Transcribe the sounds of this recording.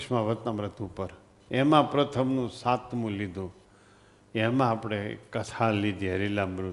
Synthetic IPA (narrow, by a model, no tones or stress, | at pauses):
ʃmãʋət̪nãmɾət̪ʰupəɾ | emãpɾət̪ʰəmnũsãt̪mũlid̪ʱũ | emãːpɽ̃ekət̪ʰalːid̪ʱiɦəɾilãmɾu